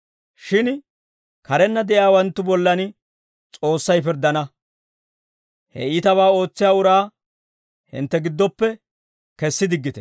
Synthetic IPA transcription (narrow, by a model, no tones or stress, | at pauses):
ʃɪn | kɐɾɛnːɐd̪ɛʔjaːwɐnt̪ːʊbɔlːɐn | t͡sʼo̞ːsːɐjp̬ɪɾd̪ɐnɐ | hɛ̰ɪt̪ɐβaːo̞ːt͡sːɪjaːʊɾaː | hɪ̰nt̪ːɛɡɪd̪ːɔpːɛ | kɛsːɪd̪ɪɡːɪt̪ɛ̥